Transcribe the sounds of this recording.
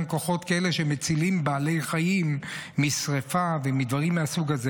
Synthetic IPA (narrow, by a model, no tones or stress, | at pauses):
mkoχo̞t̪kaele̞ʃemet͡silimbaːle̞jχajimːisʁefavemid̪vaʁimːeasuɡaze